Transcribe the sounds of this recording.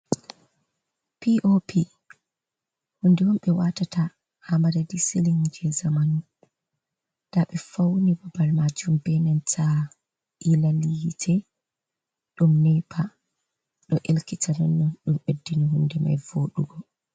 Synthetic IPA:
piʔopʰi | hundɛwɔmɓɛwatata | hamadadisiliŋd͡ʒɛzamanu | d̥aɓɛfawnibabalmad͡ʒumbɛnɛntʰa | ilalijitʰɛ | ɗumnɛpʰa | ɗɔʔelkitʰanɔnːɔnɗumʔedːiniɦundɛma̰jvoɗuɡɔ

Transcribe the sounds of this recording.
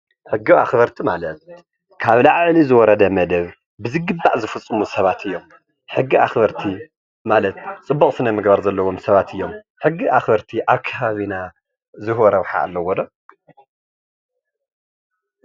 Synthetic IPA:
ħɨɡːia̰xbɐɾt̪ʰimalɐt̪ | kʰaβlaʕʕlizɨwɔɾɐd̪ɐmɐd̪ɐβ | bɨzɨɡɨbːaʔzɨfɨt͡sʼːɨmusɐβat̪ʰɨjːo̞m | ħɨɡːiaxbɐɾt̪ʰi | malɐt̪̚t͡sʼɨbːɐkʼsɨnɐmɨɡbaɾzɐlːɐwomsɐβat̪ʰɨjːo̞m | ħɨɡːiʔaxbɐɾt̪ʰiʔaβkʰɐβaβina | zɨhwɔɾɐwħa̰ʔa̰lːɐwɔd̪ɐ

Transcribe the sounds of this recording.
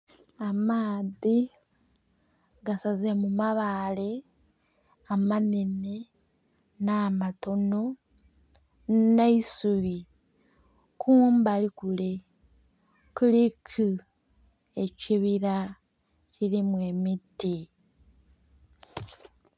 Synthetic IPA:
amaːði | ɡasazemumaβale̞ | amanine | naːmato̞no̞ | neisuβi | kʰuːmbalikule̞ | kulikʰu | eciβiɾa | cilimwe̞miti

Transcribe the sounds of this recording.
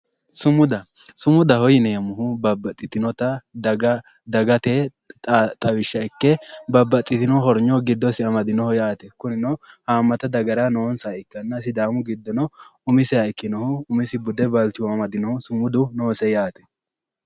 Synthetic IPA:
sʊmʊd̪ɐ | sʊmʊd̪ɐhɔjɪnɛjɐmʊhʊbɐbːɐt̪ʼːɪt̪ɪnɔt̪ɐd̪ɐɡɐ | d̪ɐɡɐt̪e | t̪ʼɐwɪʃːɐɪkːɛbɐbːɐt̪ʼːɪt̪ɪnɔɦɔɾɲɔɡɪd̪ːɔsɪɐmɐd̪ɪnɔhɔjaːt̪ɛkʊnɪnɔhaːmːɐt̪ɐd̪ɐɡɐɾanoːnsaːɪkːɐnːɐs̬ɪd̪aːmʊɡɪd̪ːɔnɔʊmɪsɛɐɪkːɪnɔhʊːmɪsɪbʊd̪ɛbɐlt̪ɪwɐmɐd̪ɪnɔhʊsʊmʊd̪ʊnoːsɛjaːt̪ɛ̥

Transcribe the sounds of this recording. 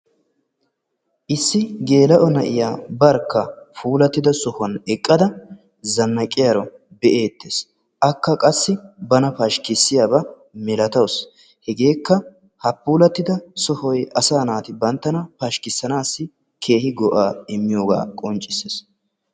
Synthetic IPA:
ʔɪsːɪɡe̞ːlɐʔɔnɐʔɪjaːbɐɾkːɐfuːlɐt̪ːɪd̪ɐsɔhwɐnɛkʼːɐd̪ɐ | zɐnːɐkʼːɪjɐɾɔ | bɛʔeːt̪ːeːs | ʔɐkːɐkʼɐsːɪbɐnɐpɐʃkɪsːɪjaːbɐ | mɛlɐt̪ɐws | hɛɡe̞ːkːɐ | hɐpːuːlɐt̪ːɪd̪ɐsɔhɔjʔɐsaːnaːt̪ɪbɐnt̪ːɐnɐpɐʃkɪsːɐnaːsːɪ | kʰe̞ːhɪɡɔʔaːɪmːɪjoːɡa̰ːkʼɔnt͡ʃʼːɪseːs

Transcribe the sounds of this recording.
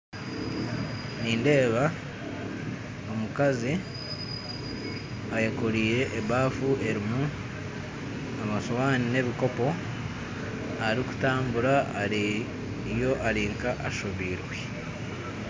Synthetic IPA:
niːnde̞ːβa | o̞mukazi | ajakoɾiːɾe̞ʔːβaːfuʔe̞ɾimu | amasowaːnine̞βiko̞po̞ | aɾiku̥taːmbuɾa | jo̞ʔaɾiːŋkaʔaʃoβiːɾwe

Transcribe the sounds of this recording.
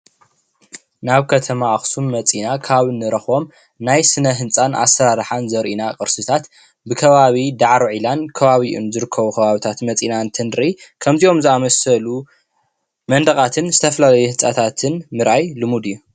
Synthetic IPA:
naβkʰɐt̪ʰɐmaːxsunmɐt͡sʼinakʰaaβɨnːɨɾɐxo̞m | najsɨnɐɦɨnt͡sʼana̰sɐɾaɾħanzɐɾʔinakʼɨɾsɨt̪ʰat̪ | bɨkʰɐβaβid̪aʕɾoʕilankʰɐβaβiʔṵnzɨɾɨkʰːɐβuxʰɐβaβit̪ʰat̪mɐt͡sʼinant̪ʰɨnɾikʰɐmziʔo̞mzɨamɐsɐlu | mɐnd̪ɐχʼat̪ʰɨnzɨt̪ʰɐfɐlalɐjuhɨnt͡sʼat̪ʰat̪ʰɨnmɨɾʔajlɨmud̪ɨjːu

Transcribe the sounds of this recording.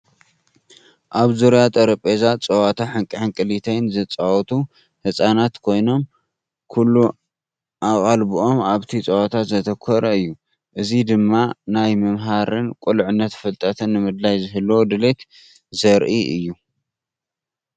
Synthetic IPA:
ʔaβzuɾjat̪ʼɐɾɐpʼezat͡sʼɐwat̪ʰaħɨŋkʼɨħɨŋkʼɨlit̪ʰejnzɨt͡sʼawɔt̪ʰu | hɨsʼanat̪kʰo̞jno̞m | kʰulːu | ʔaχʼalbuʔo̞maβt̪ʰit͡sʼɐwat̪ʰat̪zɐt̪ʰɐkʰɔɾɐɨjːu | ʔɨzid̪ɨmːanajmɨmɦaɾɨnkʼulʕɨnːɐt̪fɨlt̪ʼɐt̪ʰɐnːɨmɨd̪lajzɨɦɨlːod̪ɨlet̪ | zɐɾʔiʔɨ̰jːu

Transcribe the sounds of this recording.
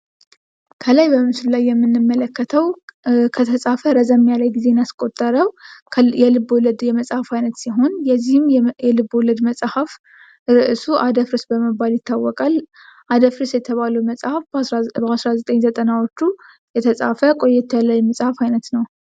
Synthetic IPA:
kʰəlajbəmmsɨllajːɛmːɨnːɨmːələkːət̪ʰəwkʰət̪ʰəsʼafəɾəzəmːjalajɡize̞naskʼo̞t̪ʼːəɾəwʰjɛlɨboləd̪jɛməsʼhafajnət̪siɦo̞njɛzːihɨmɛlɨbːoləd̪məsʼhaf | ɾɨʔɨsuʔad̪əfɾɨsbəməbaljɪt̪ːawːɔkʼal | ʔad̪əfɾɨsjɛt̪ʰəβaləwməsʼhafbəasɾazət̪ʼəɲzət̪ʼənawot͡ʃːu | jɛt̪ʰəsʼafəkʼo̞jːɛt̪ʰːəjlajməsʼhafajnət̪nəw

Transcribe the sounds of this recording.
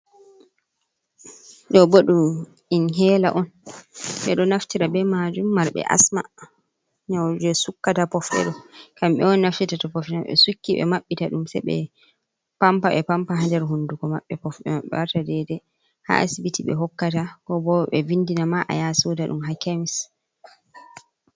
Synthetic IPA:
ɗɔboɗum | inɦɛːla̰ʔɔnɓɛɗɔnaftiɾabɛmad͡ʒumːaɾɓɛ̰ʔa̰sma̰ | ɲawd͡ʒɛsukːatapɔfɗɛ̰ɗɔkamɓɛ̰ɔnːaftitatapɔfɛnɔɓɛ̰sukːiɓɛ̰maɓːitaɗumsɛɓɛ̰ | pampaɓɛpampaɦandɛɾɦundukɔmaɓːɛpɔfɗɛ̰maɓɛ̰waɾtadɛdɛ | ha̰ʔa̰sibitiɓɛ̰ɦɔkːatakɔbɔɓɛvinːdinamaʔa̰jasotaɗṵmɦakamis

